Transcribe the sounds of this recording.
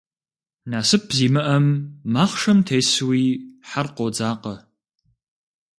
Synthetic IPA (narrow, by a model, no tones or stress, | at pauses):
naːsɨp̚ʰziːmɨʔɐmːaːχʂɐmtʰejswiːħarqod͡zaːqɐ